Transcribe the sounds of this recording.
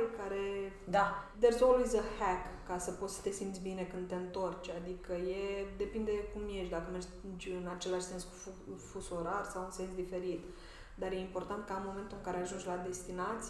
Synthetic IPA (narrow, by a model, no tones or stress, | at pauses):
lkaɾe̞ | d̪ad̪erzolizəhɛkːasəpot̪sə̥t̪e̞simt̪sʲbine̞kɨnd̪̚t̪eɨnt̪o̞rt͡ʃʲad̪ikəjed̪e̞pind̪e̞kumjeʃt̪d̪akəmerd͡ʒʲd͡ʒʲɨnat͡ʃe̞laʃse̞nsku̥ffusoɾarsawɨnse̞nsd̪ife̞ɾit̪ | d̪arje̞impo̞rt̪ant̪̚kaɨnmo̞ment̪ulɨŋkaɾeaʒunt͡ʃʲlad̪e̞st̪inat̪s